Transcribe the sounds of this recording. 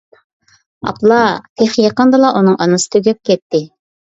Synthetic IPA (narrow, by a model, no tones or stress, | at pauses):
ɑ̰plˠɑp̪ʰeχjɑqɑnd̪ɨlˠɑʔunɨŋʔɑnɨsɨ̥t̪ʰøɡʲɛp̚kʲɛt̪ːɪ